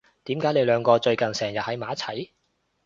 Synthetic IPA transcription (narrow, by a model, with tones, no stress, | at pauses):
t̪iː˨˥mkaː˨˥jne˨˧jlœː˨˧ŋkɔː˧t͡ʃɵ˧ɥkɐ˨˩nsɛː˨˩ŋjɐ˨t̚hɐ˨˥jmaː˨˥t͡sʰɐ˨˥j